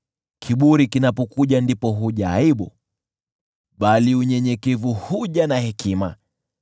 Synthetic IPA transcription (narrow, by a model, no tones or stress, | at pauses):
kʰiɓuɾikinapɔkuʄandipɔɦuʄaːiɓu | ɓaliuɲɛɲɛkɛvuhuʄanahɛkima